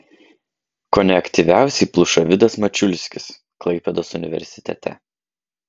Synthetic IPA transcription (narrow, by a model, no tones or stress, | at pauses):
kɔnʲɛɐkʲt̪ʲiʋʲæˑʊsʲɛɪplˠʊʃɐʋʲɪd̪ɐsmɐt͡ʃʲʊlʲsʲkʲɪs | klˠɐɪpʲɛd̪oːsʊnʲɪʋʲɛ̰ɾʲsʲɪ̥t̪ʲɛ̰t̪ʲɛ̰